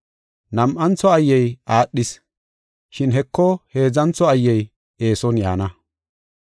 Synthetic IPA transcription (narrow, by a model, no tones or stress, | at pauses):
nɐmʔɐnt͡sɔɐjːɛjʔaːɗːɪs | ʃɪnɦɛkːɔhe̞ːzɐnt͡sːɔɐjːɛj | e̞ːsɔnja̰ːnɐ